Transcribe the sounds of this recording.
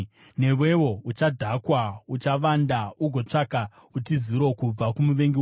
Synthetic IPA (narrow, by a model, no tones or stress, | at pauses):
ne̞ʋe̞wo̞ut͡ʃadʱakwaut͡ʃaʋandauɡʱo̞t͡ʂaka | ut̬iziɾo̞kub͡vakumuʋe̞ŋɡi